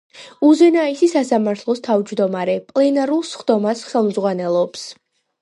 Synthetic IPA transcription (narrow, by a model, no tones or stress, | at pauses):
uzɛnaisisasamaɾt̪ʰlˠɔst̪ʰavd͡ʒd̪ɔmaɾɛpʼlɛnaɾulˠsχd̪ɔmasχɛlˠmzʁwanɛlˠɔps